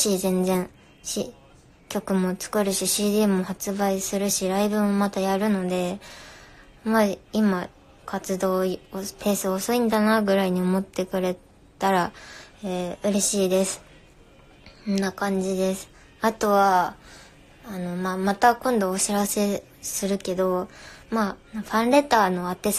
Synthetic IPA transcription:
ɕiːzẽ̞nd͡zẽ̞ɰ | ɕi | kʲo̞kɯ̟mo̞t͡sɨ̥kɯ̟ɾɯ̟ɕiɕiːd̪ʲimɯ̟mohat͡sɨbaisɨɾɯ̟ɕiɾaibɯ̟mo̞mat̪ajaɾɯ̟no̞d̪e̞ | maima | kat͡sɨd̪o̞ːopʰe̞ːsɨosoĩnd̪anaɡɯ̟ɾaiɲ̟io̞mo̞t̪ːe̞kɯ̟ɾe̞ | t̪aɾaeɯ̟ɾe̞ɕiːd̪e̞sɨ̥ | nːakãɲ̟d͡ʑid̪e̞sɨ̥ | at̪o̞βa | no̞mamat̪akõ̞nd̪o̞ːɕiɾase̞ | sɨɾɯ̟ke̞d̪o̞manoɸãnɾe̞t̪aːno̞at̪ːes

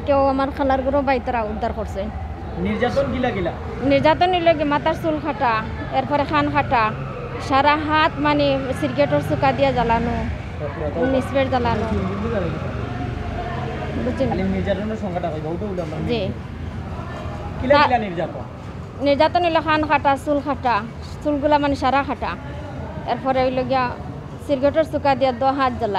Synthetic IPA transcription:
kewamaɾkʰəlaɾɡɔɾɔbajt̪ɔɾaud̪ʱːaɾkɔɾse | niɾd͡ʒat̪ɔnkilakila | niɾd͡ʒat̪ɔnɔjlɔɡimat̪aɾsulkʰaʈa | eɾpʰɔɾexʰankʰaʈa | ʃaɾaɦat̪manesiɾkeʈɔɾsukad̪ijazalanu | ɔt̪iat̪nisbeʈzalanɔind͡ʒidizaɾaɡitɔ | but͡ʃialiniɾd͡ʒatɔnɔsɔŋkaʈakɔjbɔwʈɔulmad͡ʒi | kilaklaniɾd͡ʒat̪ɔ̰n | niɾzat̪ɔnɦojlɔkʰankʰaʈasulkʰaʈa | sulɡulamaniʃaɾakaʈa | ɛɾpʰɔɾeɔjlɔɡija | siɾɡeʈɔɾsukad̪ijad̪ɔɦat̪̚zala

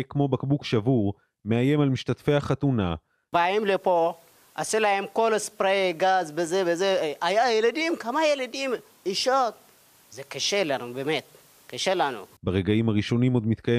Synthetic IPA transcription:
kmo̞bakbukʃavuʁ | meaje̞malmiʃtatfejhaχat̪una | baimlepo | aselahemkolaspɾeɡazbezebezeajajelad̪imkamajelad̪im | iʃot̪̚ | zekaʃelanubemet̪̚ | kaʃelanṵbaʁeɡaimhaʁiʃo̞nimo̞d̪mit̪kaje

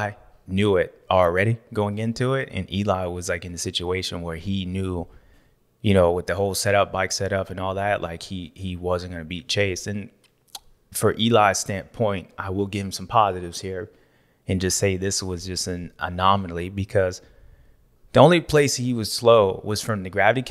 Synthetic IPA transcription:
ɪnjʉɪt̚əl̩ˠɹɛɾiɡ̥oʊɪ̃ŋɪ̃ntʰuɪtɨ̰̃nʔilaɪwʌzlaɪkɨ̃nðɨsɪt͡ʃueɪʃɨ̃nwə˞injʉ | jɨñoʊwəðɨhoʊlˠsɛɾʌp̚b̥aɪksɛɾʌpɨ̃nɔlˠðætlʔa̰ɪkhiiwʌzɨ̃nɡ̥ʌ̃nɨbit̚t͡ʃʰeɪstɨ̃n | fə˞ʔilaɪz̥stæ̃npʰɔ̃ɪ̃ntʔa̰ɪwɪlˠɡɪṽ̥m̩sʌ̃m̩pʰɑzɨɾɨvz̥hiɹ | ɨ̃nd͡ʒʌstseɪðɪswʌzd͡ʒʌstɨ̃nə̰nɑmənl̩ˠibɨkʰʌz | ðiõʊ̃nlipʰl̥eɪshiwʌz̥sloʊwʌz̥fɹʌ̃mðɨɡɹævɨɾikʰ

